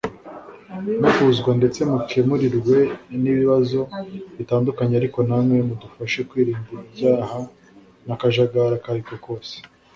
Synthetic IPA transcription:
nukuzɡwande̞t͡se̞mukʰemuɾiɾɡwe̞niβiβazo̞βitaːndukaɲeaɾiko̞namŋe̞mudufaʃekwiːɾiːmbuɾibɟaːha | nakaʒaɡaɾakaɾiko̞ko̞ːse̥

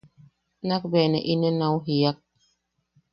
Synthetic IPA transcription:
nak̚bɛnə̰ʔinənawɦijak̚

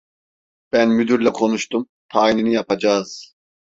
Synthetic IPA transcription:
b̥ænmyd̪yɾlʲɛkʰo̞nuʃt̪ʰum | t̪ʰaːininijapad͡ʒaːz̥

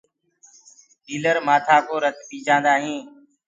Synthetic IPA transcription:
iːləɾmaːt̪ʰaːkoːɾəkɓiːd͡ʒãːnd̪aːɦĩː

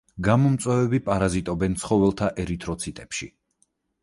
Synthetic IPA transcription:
ɡamɔmt̪sʼwɛvɛbipʼaɾazit̪ʼɔbɛnt̪sχɔvɛlˠt̪ʰaʔɛɾit̪ʰʼɾɔt̪sʰit̪ʼɛpʃḭ

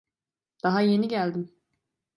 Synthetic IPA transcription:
d̪̥aɦaje̞niɟælʲd̪im

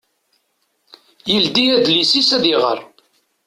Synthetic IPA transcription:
jəld̪iæd̪lisisæðiʁə̰ɾˤ

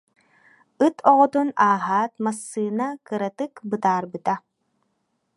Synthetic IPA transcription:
ɯt̪ʰɔʁɔt̪unaːɦaːt̪masːɯːnakɯɾat̪ɯkbɯt̪aːɾbɯt̪a

